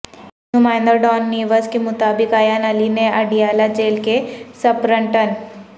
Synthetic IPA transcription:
numaːjnd̪əɾɖɔːnːiːʋəskemʊt̪aːbɪkaːjaːnɐlinẽɐɖijaːlad͡ʒeːlkesɐpɾə̃ɳʈən

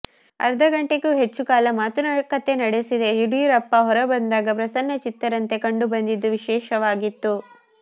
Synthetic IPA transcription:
ɐ̰ɾɐd̪ɐɡɐɳʈekuːɦet͡ʃːukaːlɐmaːt̪unɐkɐt̪ːe̞nɐɽesid̪e̞ɦiɾujuɾɐpːɐɦɔɾɐbɐnd̪aːɡɐpɾɐsɐnːɐt͡ʃit̪ːɐɾɐnt̪e̞kɐɳɖubɐnd̪id̪ːuʋiʃɛːʃɐʋaːɡit̪ːu

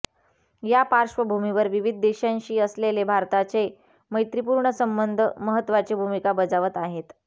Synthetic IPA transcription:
japaɾʂʋəbʱumiʋəɾʋiʋid̪̚ʱd̪eɕãɲɕiːəslelebʱaɾt̪at͡se | məjt̪ɾip̬uɾɳəsəmbənd̪ʱəməɦət̪ːʋat͡sebʱumikabəd͡zaʋət̪aɦet̪

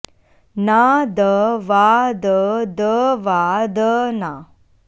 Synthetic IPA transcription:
nad̪əʋad̪əd̪əʋad̪əna

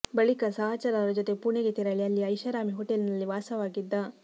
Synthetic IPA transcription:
bɐɭikɐsɐɦɐt͡ʃɐɾaːɐɾɐd͡ʒot̪epuɳeɡet̪iɾɐɭiɐlːiɐjʃɐɾaːmiɦoʈelnɐlːiʋaːsɐʋaːɡid̪ːɐ

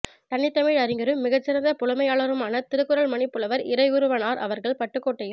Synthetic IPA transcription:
t̪ɐnːɪt̪ːɐmiːɻɐɾɪŋɡɐɾɯmːɪɣɐt͡ʃːɪɾɐnd̪ɐpʊlɐmɐjaːɭɐɾɯmaːnɐt̪ɪɾɯkːɯɾɐɭmɐnɪpːɯlɐʋɐɾɪɾɐɪʊɾɯʋɐːnaːɾʔɐ̰ʋɐɾɣɐɭpɐʈːɯkːoːʈːɐjɪ

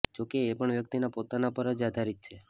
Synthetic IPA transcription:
d͡ʒokeːpəɳʋjəkt̪inapot̪anapəɾəd͡ʒad̪ʱaɾit̪̚t͡ʃʰe

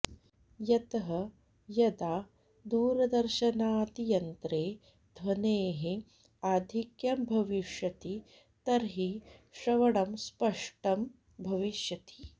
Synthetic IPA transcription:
jɐt̪ɐɦɐ | jɐd̪aː | d̪uːɾɐd̪ɐɾʃɐnaːt̪ijɐnt̪ɾeː | d̪ʱʋɐneːɦe | aːd̪ʱikjɐmbʱɐʋiʃjɐt̪i | t̪ɐɾɦiʃɾɐʋɐɽɐmspɐʂʈɐm | bʱɐʋiʃjɐt̪i̥

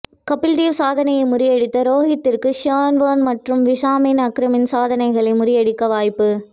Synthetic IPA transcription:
kɐpːɪld̪iːʋsaːðɐnɐjɐɪmʊɾɪjɐɽɪt̪ːɐɾoːɣɪt̪ːɪrkɯʃɐːnʋɐːnmɐʈrɯmʋɪʂaːminɐkɾɐmɪnsaːðɐnɐɪɣɐɭɐɪmʊɾɪjɐɽɪkːɐʋaːjpːɯ

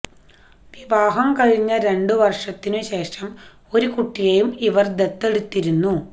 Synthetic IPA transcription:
ʋiʋaːɦɐmkɐɻiɲːɐɾe̞ɳɖɨʋɐrʂɐt̪ːinɨɕe̞ːʂɐm | o̞ɾukuʈːijejumiʋɐrd̪et̪ːe̞ɽut̪ːiɾunːu

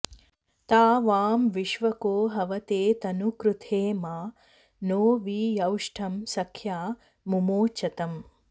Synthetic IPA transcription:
t̪aːʋaːmʋiʃʋɐkoːɦɐʋɐt̪eːt̪ɐnukɾut̪ʰeːmaː | noːʋiːjɐwʂʈʰɐmsɐkʰjaː | mumoːt͡ʃɐt̪ɐm

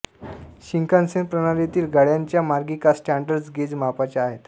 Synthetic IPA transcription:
ɕiŋkansenpɾəɽ̃aɾet̪iːlɡaɽjaɲt͡ɕjamaɾɡikasʈæɳɖəɾd͡zɡed͡zmapat͡ɕjaːɦet̪

